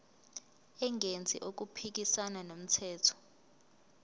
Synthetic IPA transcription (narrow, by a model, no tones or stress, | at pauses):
ɛŋɡʱend͡zʱḭʔok̬upʰik̬isananom̩tʰɛːtʰɔ̥